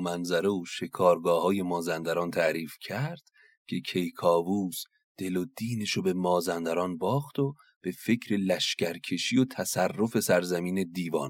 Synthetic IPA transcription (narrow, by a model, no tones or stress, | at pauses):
mænzæɾe̞uːʃe̞kʰɒːɾɡɒːhɒːje̞mɒːzænd̪æɾɒːnt̪ʰæʔɾiːfcʰæɾd̪̥ | cʰe̞kʰe̞jkʰɒːvuːs | d̪̥e̞lod̪iːne̞ʃobe̞mɒːzænd̪æɾɒːnbɒːχt̪o | b̥e̞fe̞cʰɾe̞læʃcæɾkʰe̞ʃiːjot̪ʰæsærːo̞fe̞sæɾzæmiːne̞d̪iːvɒ̰ːn